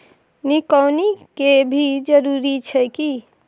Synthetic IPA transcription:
nikəwnikebʱid͡ʒəɾuɾit͡ʃʰɛki

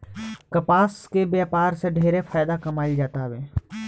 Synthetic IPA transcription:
kɐpaːskebjaːpaːɾseɖʱeːɾefʰaːjd̪akɐmaːid͡ʒaːt̪aʋeː

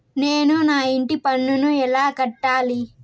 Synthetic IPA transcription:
neːnunaːiɳʈipɐɳːunuɛlaːkɐʈːaːli

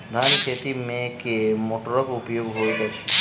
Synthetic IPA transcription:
d̪ʱaniset̪imekemoʈɔɹɔkupjoɡɦojzat͡ʃʰi̥

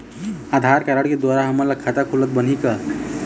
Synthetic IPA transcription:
ad̪ʱaɾkaɾaɽked̪waɾaɦəmːəɾlaɡ̚kʰat̪akʰulət̪̚bən̤ikə

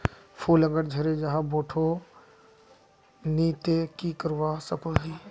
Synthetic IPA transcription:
pʰuləɡəɾd͡ʒʱəɾed͡ʒaɦãboʈʰo | nit̪ekikəɾʋasəkʰoɦi

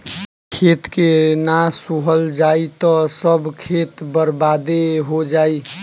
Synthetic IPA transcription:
kʰet̪kenasuɦəld͡ʒaːit̪ɔsəbkʰet̪bəɾbad̪eɦod͡ʒaːi

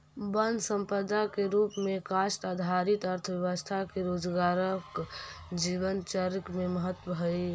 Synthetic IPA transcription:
bənd̪sə̃mpəd̪akeɾuːpmẽkaʃʈad̪ʱaɾit̪əɾt̪ʰəbjəʋəst̪ʰakeɾoːd͡ʒɡaːɾəkd͡ʒiʋənt͡ʃəɾəkmeməɦət̪wəbʱəe

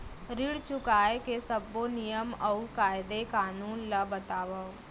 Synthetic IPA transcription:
ɾɪɽt͡ʃʊkaːekesəbːonijəmɐukaːɪd̪ekaːnuːnlabɐt̪aːʋə

